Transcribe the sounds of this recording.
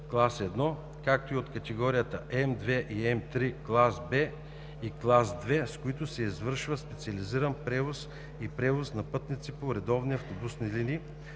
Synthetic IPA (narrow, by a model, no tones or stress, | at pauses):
klˠasɛd̪nɔ | kak̚t̪oiot̪kɐt̪ɛɡɔɾijət̪əʔɛmd̪vɛʔiɛmt̪ɾiklˠasbɛ | iklˠasd̪vɛskoit̪ʊsɛizvɤɾʃvəspɛt̪sʲiɐliziɾənpɾɛvos | ipɾɛvosnɐpɤt̪nit̪sipoɾɛd̪ɔvniɐft̪obusnilini